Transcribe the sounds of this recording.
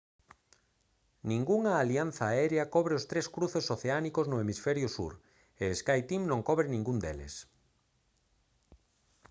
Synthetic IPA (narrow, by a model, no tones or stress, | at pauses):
nĩŋɡuŋaːlian̟θaɛɾeakɔβɾeost̪ɾeskɾuθesoθeanikoznʊemisfɛɾjʊsṵɾ | eːskajt̪imnõŋkɔβɾɪnĩŋɡund̪elḛs